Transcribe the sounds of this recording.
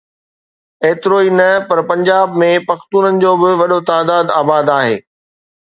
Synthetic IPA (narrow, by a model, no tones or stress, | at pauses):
eːt̪ɪɾoːinɐpɐɾpɐ̃ɲd͡ʑaːbmẽpɐxt̪uːnənɪ̆d͡ʑoːbɪʋɐɗot̪aːd̪aːd̪aːbaːd̪aːɦḛː